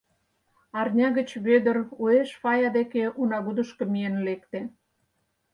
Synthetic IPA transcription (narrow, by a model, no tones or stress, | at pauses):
ɑrnʲɑɣə̆t͡ɕβød̪ə̆rueʃfɑjɑd̪ekeʔunɑɣud̪əʃkə̆mijenlekt̪e